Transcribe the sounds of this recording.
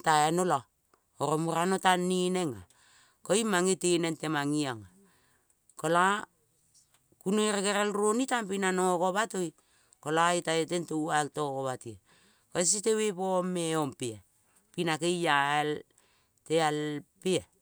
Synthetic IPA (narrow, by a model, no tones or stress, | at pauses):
taenola | oɾomuɾanotanːineŋa̰ | koimaŋetenentemaŋiaŋa | kola | kunoɾeɡeɾelɾonitampinanokoβatoj | kolaitaetentowaltokoβatie | kos̬itewepomeompia | pinakejjael | tealpia